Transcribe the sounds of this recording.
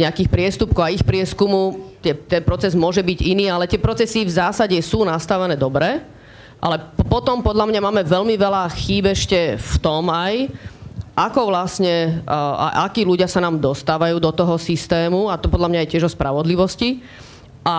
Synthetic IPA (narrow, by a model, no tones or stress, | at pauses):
ɲɛakiːxpɾɪɛst̪up̚kɔaixpɾɪɛskumut̪ɪɛt̪ɛnpɾɔt͡sɛzmʊɔʒɛbiɟiniːalɛt̪ɪɛpɾɔt͡sɛsivzaːsaɟɛsuːnast̪aʋɛnɛːd̪ɔbɾɛ | ʔa̰lɛpɔt̪ɔmpɔd̪ʎamɲamaːmɛʋɛʎmiʋɛlaxiːbɛɛʃcɛft̪ɔmaj | ʔakɔʋlasɲɛa̰ʔa̰kiːluɟɪasanaːmd̪ɔst̪aːʋajuːd̪ɔt̪ɔɦɔsist̪ɛːmuat̪ɔpɔd̪lamɲajɛcɪɛʒɔspɾaʋɔd̪liʋɔsci | ʔa